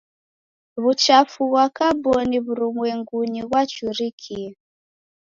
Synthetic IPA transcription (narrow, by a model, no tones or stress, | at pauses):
βut͡ʃafuɣwakabɔniβuɾumwɛŋɡuɲiɣwat͡ʃuɾikʰia